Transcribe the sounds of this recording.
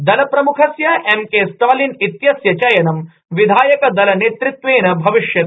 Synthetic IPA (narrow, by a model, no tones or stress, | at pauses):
d̪ɐlɐpɾɐmukʰɐsjɐʔemkeːst̪ʰaːlinit̪jɐsjɐt͡ʃɐjɐnɐm | ʋid̪ʱaːjɐkɐd̪ɐlɐneːt̪ɾut̪ʋeːnɐbʱɐʋiʂjɐt̪